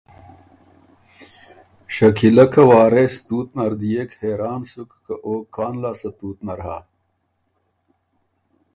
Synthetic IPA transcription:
ɕɐkʰilɐkʰɐwaːɾest̪uːt̪nɐɾd̪ijekheːɾaːnsukːɐʔoːkːaːnlaːsɐt̪uːt̪nɐɾɦa̰

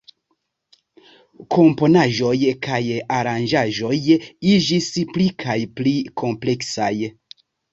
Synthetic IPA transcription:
kʰo̞mpo̞naʒo̞jkʰajaɾand͡ʒaʒo̞jid͡ʒisplikʰajplikʰo̞mple̞ksaj

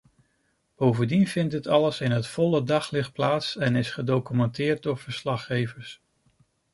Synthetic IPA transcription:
b̥owvəndinvɪntɦətɑləsɪnɦətfɔlədɑχlɪχt̚plaːtsɛnɪsχədowkymɛntɪːɹt̚dɔɹv̥əɹslɑχːejvəɹs

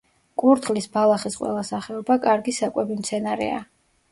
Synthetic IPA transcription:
kʼuɾt̪ʰχlisbalˠaχisqʼwɛ̰lˠasaχɛɔbakʼaɾɡisakʼwɛbimt̪sʰɛnaɾɛ̰a̰

